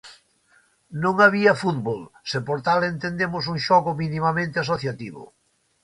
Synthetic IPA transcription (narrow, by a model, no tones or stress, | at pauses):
nõŋaβiafut̪βolsepoɾt̪alent̪end̪emʊs̬uŋʃɔɣʊminimamẽnt̪eas̬oθjat̪iβʊ̰